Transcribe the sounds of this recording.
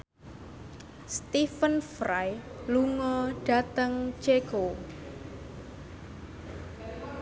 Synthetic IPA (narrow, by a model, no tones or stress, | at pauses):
st̪ifənfɾaj | luŋɔɖ̥a̤t̪əŋt͡ʃeko